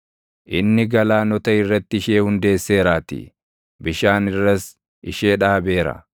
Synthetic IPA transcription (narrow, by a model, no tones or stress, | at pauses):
ʔɪnːɪɡɐlaːnɔt̪ɐɪrːɐt̪ːɪɪʃe̞ːhʊnd̪e̞ːsːe̞ːɾaːt̪ɪ̰ | bɪʃaːnɪrːɐs | ɪʃe̞ːᶑaːbe̞ːɾɐ̰